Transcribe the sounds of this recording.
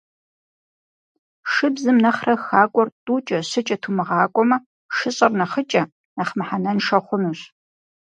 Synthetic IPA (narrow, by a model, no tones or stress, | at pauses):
ʂɨbzɨmnɐχrɐxaːkʷʼɔrtʼuːt͡ʃʼɐɕɨt͡ʃʼɐtʰumɨʁɑːkʷʼɔmɐ | ʃɨɕʼɐrnɐχət͡ʃʼɐ | nɐχmɐħanɐnʂɐχʷʊnuːɕ